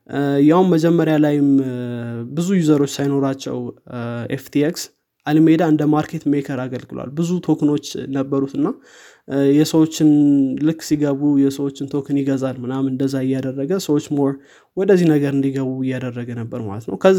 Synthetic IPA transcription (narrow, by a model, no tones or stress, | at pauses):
jawnməd͡ʒɛmːəɾjalajɪm | bɨzujuzəɾo̞t͡ʃːsajno̞ɾat͡ʃːɛ̰weft̪ʰieks | ʔalmed̪aɨnd̪əmaɾkʰe̞t̪mekʰəɾaɡəlɡɨlwa̰lbɨzut̪ʰo̞kʰɨno̞t͡ʃːnəbːəɾut̪ɨnːa | jɛsəwot͡ʃːɪnlɨkːsiɡəβujɛsəwo̞t͡ʃːɪnt̪ʰo̞kʰɨnjɪɡəzalmɨnamɨnd̪əzːaɪjːad̪ərːəɡəsəwo̞t͡ʃːmoɾ | wɔd̪əzːihnəɡəɾɨnd̪iɡəβuɪjːad̪ərːəɡənəbːəɾma̰lət̪nə̰wkʰəzː